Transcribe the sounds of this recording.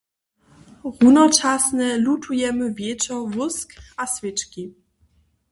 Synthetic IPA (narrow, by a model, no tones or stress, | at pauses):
ɣunɔt͡ʂasnɛlutʰujɛmɘvʲjɛt͡ʂɔvuskasvʲɘt͡ʂkʲi